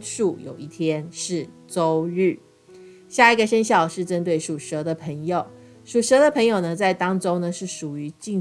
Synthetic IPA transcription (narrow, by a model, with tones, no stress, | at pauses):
ʂu˥˩jo̰˨˩ʊi˥˩t̪ʰjɛ˥nʂɻ̩˥˩ | t͡so˥ʊɻ̩˥˩ | ɕja˥˩i˧˥ɡə˨˩ʂə˥nɕ̬jɑ˥˩ʊʂɻ̩˥˩ʈ͡ʂə˥nt̪we˥˩ɪʂu˨˩ʂɤ˧˥d̪ə˧pʰə˧˥ŋjo˨˩ʊ | ʂu˨˩ʂɤ˧˥d̪ə˧˨pʰə˧˥ŋjo˨˩ʊnə˦t͡sa˥˩ɪt̪ɑ˥ŋʈ͡ʂʊ˥ʊnə˨ʂɻ̩˥˩ʂu˨˩y˧˥t͡ɕi˥˩